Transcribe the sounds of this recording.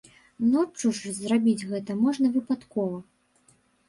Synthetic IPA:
nɔt͡ʂːuʂzrabʲid͡zʲɣɛt̪ɐmɔʐnɐvɨpat̪kɔvɐ

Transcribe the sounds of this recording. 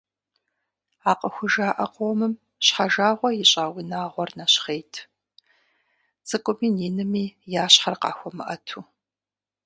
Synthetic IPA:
aːqəxʷʊʒaːʔɐqʼowmɨm | ɕħaʒaːʁʷɔjɪɕʼaːwinaːʁʷɔrnɐɕχeːjtʰ | t͡sʼɨkʷʼʊmiːniːnɨmiːjaːɕħɐrqɑ̰ːxʷɔmɨ̰ʔɐtʰuː

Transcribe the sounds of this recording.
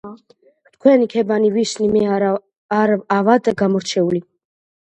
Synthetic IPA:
t̪ʰkʰwɛnikʰɛbaniviʃnimɛa | ɾavad̪aɡamɔɾt͡ʃʰɛuli

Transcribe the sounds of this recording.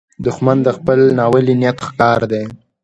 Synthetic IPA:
d̪ʊxmand̪əxpəlnɑwəlinijat̪xkɑɾd̪e

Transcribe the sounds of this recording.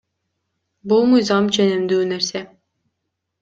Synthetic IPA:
bolˠmujzɑmt͡ʃʰenimd̪yːneɾse

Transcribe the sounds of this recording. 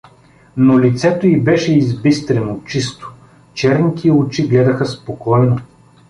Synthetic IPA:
nolit̪sɛt̪oibɛʃɛizbist̪ɾɛnot͡ʃist̪o̥ | t͡ʃɛɾnit̪ʰiot͡ʃiɡlɛd̪ɐxəspokɔjno

